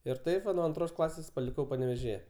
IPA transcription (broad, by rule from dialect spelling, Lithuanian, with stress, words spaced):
ɪr ˈtɐɪp ʋɐ nuɔ ɐnˈtroːs ˈklˠɑːsʲeːs pɐlʲɪˈkɐʊ pɐnʲɛʋʲeːʒʲɪˈjɛ